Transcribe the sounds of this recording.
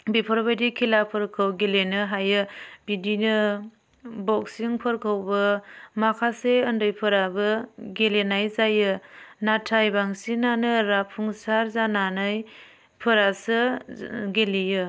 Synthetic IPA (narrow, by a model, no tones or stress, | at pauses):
bipʰɔɾbajdikʰilapʰɯɾkʰɯwɡelenɯɦajɯbidinɯ | bɔk̚siŋpʰɯɾkʰɯwbɯmakʰaseɯndɯjpʰɯɾabɯɡelenajzajɯnatʰajbaŋsinanɯɾapʰuŋsaɾzananaj | pʰɯɾasɯ | ɡelijɯ